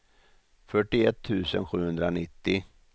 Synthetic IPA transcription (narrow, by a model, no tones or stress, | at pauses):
fœʈːɪɛt̪ʰːʉ̟ːsə̰nɧʉ̟ːhɵnd̪ɾanɪt̪ːɪ